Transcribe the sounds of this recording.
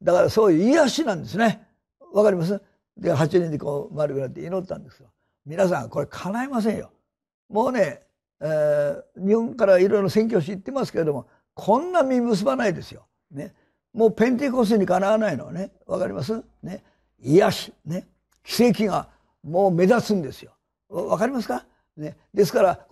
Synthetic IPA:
d̪akaɾaso̞ːjɯ̟iaɕinãnd̪e̞sɨne̞ | βakaɾʲimas̬ɨ | d̪eɦat͡ɕiɲʲẽnd̪ekoːmaɾɯkɯ̟nat̪ːe̞ino̞t̪ːã̰nd̪e̞sɨɡo | mʲinas̬ã̰ŋko̞ɾe̞kʰanaimas̬ẽ̞ɰ̃jo̞̰ | mo̞ːne̞ | ɲʲiõŋkaɾaiɾojɾoɾosẽ̞ŋk̬ʲjoːɕ̬iit̪ːe̞masɨ̥ke̞ɾed̪o̞mo̞ | kʰõ̞nːamʲimɯ̟s̬ɨbanaid̪e̞sɨjo̞̰ | ne̞ | mo̞ːpẽ̞nt̪̬e̞kos̬ɲ̟ːikanaanaino̞̰a̰ne̞ | βa̰kaɾʲḭmas̬ɨ | ne | iaɕi̥ne̞ | kʲi̥se̞ːk̬ʲiŋa | moːme̞zasɨ̃nd̪e̞sɨjo̞ | βakaɾʲimasɨ̥ka | ne̞d̪e̞sɨ̥kaɾa

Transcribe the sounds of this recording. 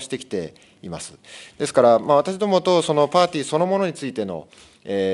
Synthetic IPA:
ɕi̥t̪e̞kʲi̥t̪e̞̰ | ima̰sɨ̥d̪̥esɨ̥kaɾamaβ̞at̪aɕ̬id̪o̞mo̞t̪o̞so̞no̞paːt̪ʲiːso̞no̞mono̞ɲ̟it͡sɨit̪e̞no̞̰ | eː

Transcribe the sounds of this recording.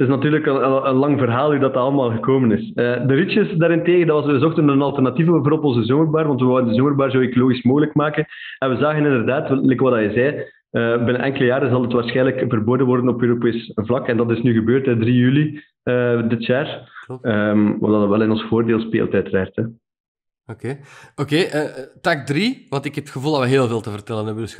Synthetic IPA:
tɪs̬nɑtyːrləkənənlɑŋvərɦaːlˠɦuːdɑtɑɑlˠəmaːlˠɣəkoːmənɪsəːdəɾisjəsdaːɾɪnteːɣəndɑʋɑsʋəzɔxtənənɑlˠtɛrnɑtivəbəvoːɾɔpɔnzəzoːmərbaːrʋɑntʋəaːdəndəzoːmərbaːrzoːekoloːɣismoːɣələkmaːkən | ɛnʋəzaːɣənɪndərdaːtlɛkəʋɑdɑjɛzɛː | əbɪnəʔɛŋkələjaːɾəzɑlˠətʋaːrsxɛːnləkvərboːdənʋɔrdənɔpøːɾopeːsvlɑkɛndɑtɪsnyːɣəbøːrtɛdrijyli | əːdɪtjaːrəːmwɑ̰lˠdɑdɑʋɛlˠɪnɔnsfoːrdeːlˠspḛːlˠtœːtərɛrtɛ | okeːokeːʔətakdriʋɑntɪkɛpətxəvulˠdɑʋəɦeːlˠveːlˠtəvərtɛlənɛbəs

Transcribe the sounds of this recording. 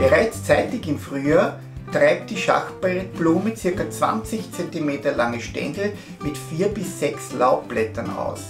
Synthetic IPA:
b̥əʁaɪt͡st͡sæɪtɪçɪmfʁ̥yːaː | tʁaɪp̚t̚d̥iːʃa̰xtbɛtb̥luːmət͡sɪɐkɐt͡sv̥a̰nt͡sɪçt͡sɛntimeːtɐlaŋəʃtɛ̰ndl̩ | mɪtfiːɐbɪsːɛkslaʊp̚b̥lɛtɐna̰ʊs

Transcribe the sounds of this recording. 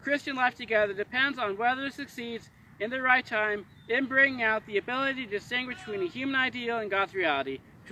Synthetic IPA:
kʰɹ̥ɪst͡ʃɨ̃nlaɪftʰɨɡɛðə˞dɨpʰɛ̃ndzn̩wɛðə˞ɨtsɨksidz | ɨ̃nðɨɹaɪtʰãɪ̃m | ɨ̃nbɹɪ̃ŋɪ̃ŋaʊt̪̚ðiɨbɪlˠəɾiɾɨɨdɨstɪ̃ŋɡwɨt͡ʃtʰw̥ĩnɨhjʉmɨ̃naɪdil̩ˠə̃nɡɑdzɹiælˠəɾi | tʰ

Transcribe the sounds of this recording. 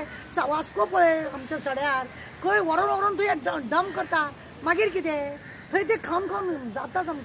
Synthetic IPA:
saʋaskɔpɔɭeamt͡ɕasəɽjaɾ | kəjʋɔɾɔnʋɔɾɔnt̪ʰɔjeɖəmkəɾt̪a | maɡiːɾkit̪ẽ | t̪ʰəjt̪ẽkʰawnkʰãwnd͡zat̪ːat͡sam

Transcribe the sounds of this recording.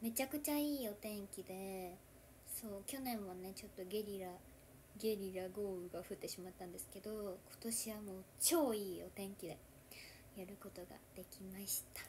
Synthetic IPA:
me̞t͡ɕakɯ̟t͡ɕaiːo̞t̪ẽ̞ŋkʲid̪e̞ | so̞ːkʲo̞nẽ̞ɰ̃βane̞t͡ɕo̞t̪ːo̞ɡʲe̞ɾʲiɾa | ɡʲe̞ɾʲiɾaɡo̞ːɯ̟ɡaɸɯ̟t̪ːe̞ɕimat̪ːãnd̪e̞sɨ̥ke̞d̪o̞kʰo̞̥t̪o̞ɕiβamo̞ːt͡ɕo̞ːiːo̞t̪ẽ̞ŋkʲid̪e̞ | jaɾɯ̟ko̞t̪o̞ɡa̰d̪̥e̞kʲimaɕi̥t̪ḁ

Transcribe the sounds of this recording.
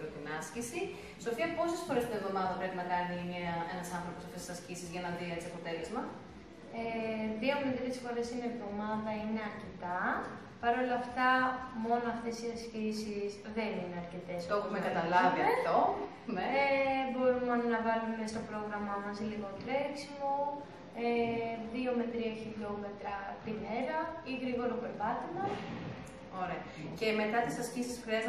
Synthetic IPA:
ɾot̪inɐscisi | sopiɐpo̞sesfoɾe̞st̪inevðo̞mɐðɐpɾe̞pinɐkɐnineɐenɐsɐnθɾo̞posɐft̪esi̥sɐscisizʝɐnɐðiett͡siɐpo̞t̪e̞lezmɐ | eðio̞mnit̪ɾesfo̞ɾe̞sinevðo̞mɐðɐine̞ɐɾce̞t̪ɐ | pɐɾo̞lɐːft̪ɐmo̞noɐft̪e̞siɐscisisðe̞nineɐɾce̞t̪est̪oxumekɐt̪ɐlɐviɐt̪o | nebo̞ɾumenɐvɐlume̞st̪o̞pɾo̞ɣɾɐmɐmɐsliɣo̞t̪ɾeksimo | eðio̞me̞t̪ɾiɐçiʎo̞me̞t̪ɾɐpine̞ɾɐiɣɾiɣo̞ɾope̞ɾvɐt̪imɐs | o̞ɾeɐ | ce̞me̞t̪ɐt̪isɐscisisfɾeɐz

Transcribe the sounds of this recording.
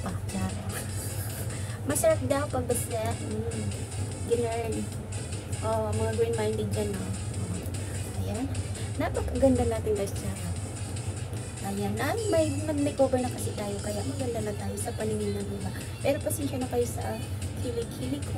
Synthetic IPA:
pɐd͡ʒaːʔo | mɐsɐɾap̚d̪awpɐɡ̚bɐslaʔ̩ | ɡɪnɛɹn | ʔomɐŋaɡɹinmajnd̪ɛd̪̚d͡ʒanːo | ʔɐjanːɐpɐkɐɡɐnd̪anaːt̪ɪŋk̪ɐst͡ʃaːʔɐ | ʔɐjanːɐmɐjmɐmɐjkobɛɹnɐkɐsɪt̪aːjokɐjaʔmɐɡɐnd̪anat̪aːjosɐpɐnɪŋinɐŋnɪba | pɛːɾoposiʃonɐkaːjosɐ̰ | kʰilɪkʰilɪko

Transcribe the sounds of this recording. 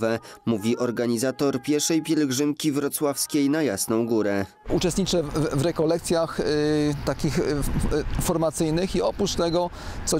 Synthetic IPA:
vɛmuvʲiʔɔɾɡaɲizat̪ɔɾpʲjɛɾʂɛjpʲjɛlɛɡʐɘmkʲivɾɔt̪swafskʲejnajasnɔ̃w̃ɡuɾɛ | ut͡ʂɛst̪ɲit͡ʂɛvɾɛkɔlɛk̚t̪sʲjaxt̪akʲix | fɔɾmat̪sɘjnɘxiɔpɾuʂt̪ɛɡɔ | t̪sɔ

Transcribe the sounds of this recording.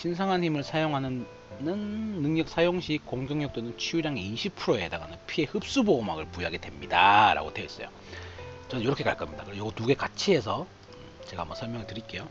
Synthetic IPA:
ɕʰinsʰaŋɦanɦimɯɭsʰajoŋɦanɯnː | ɯnːɯŋɲʌk̚s͈ʰajoŋɕʰik͈oŋɡjoŋɲjʌk̚t͈onɯnt͡ɕʰiuɾjaŋeiɕʰipʰɯɾoe̞daɡanɯnpʰie̞hɯp̚s͈uboːmaɡɯɭpujɦaɡe̞dwe̞mɲidaɾa̰ɡodeis͈ʌ̰jo̰ | t͡ɕʌnɯnjʌɾʌkʰeka̰ɭk͈amɲida̰kɯɾejʌɡʌtuɡe̞kat͡ɕʰie̞s̬ʰʌ | ɯt͡ɕe̞ɡa̰mwʌsʰʌɭmjʌŋiɭtɯɾik͈e̞jo

